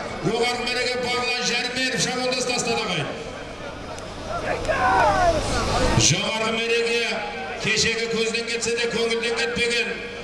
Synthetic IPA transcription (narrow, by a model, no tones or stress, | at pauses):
wo̞ʁɑɾnəmbɪɾe̞ɡʲe̞bɑɾlˠɑʒæɾɪmbeɾɪpʃɑbold̪ɑst̪ɑst̪ɑd̪ɑʁɑj̪ | ʒɑʁɑɾɑme̞ɾe̞ɡʲje | kʲʰe̞ʃe̞ɡʲɪkʲʰɵzɪd̪e̞ŋkʲʰe̞t̪se̞d̪ekʲʰɵŋɪld̪e̞ŋkʲet̪̚pe̞ɡʲe̞n